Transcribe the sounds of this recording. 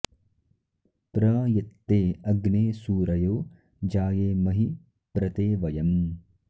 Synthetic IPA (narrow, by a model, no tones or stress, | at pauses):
pɾɐːjet̪ːeːɐɡneːsuːɾɐjoː | d͡ʒaːjeːmɐɦi | pɾɐt̪eːʋɐjɐm